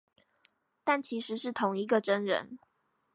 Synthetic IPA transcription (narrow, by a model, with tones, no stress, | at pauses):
t̪a˥˩nt͡ɕʰi˧˥ʂɻ̩˨˧˥ʂɻ̩˥˩t̪ʰʊ˧˥ŋi˧˥ɡə˧ʈ͡ʂə˥nɻə̰˧˦n